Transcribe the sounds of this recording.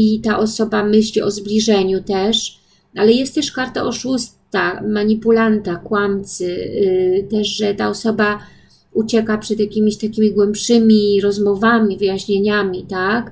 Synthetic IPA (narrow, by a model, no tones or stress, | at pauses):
it̪aʔɔsɔbamɘɕlʲiʔɔzblʲiʐɛɲut̪ɛʂ | alɛjɛst̪t̪ːɛʂkaɾt̪a̰ʔɔʂust̪amaɲipulant̪akwamt̪sɘ | t̪ɛʂʐɛt̪aɔsɔba | ut͡ɕɛkapʂɛd̪jakʲimʲiɕt̪akʲimʲiɡwɛmpʂɘmʲiɾɔzmɔvamʲivɘjaɕɲeɲamʲit̪ak